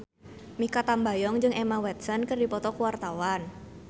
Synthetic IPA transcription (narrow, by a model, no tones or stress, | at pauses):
mikat̪ambajɔŋd͡ʒɨŋʔemawɛt̪̚sənkərdipɔt̪ɔkuwart̪awan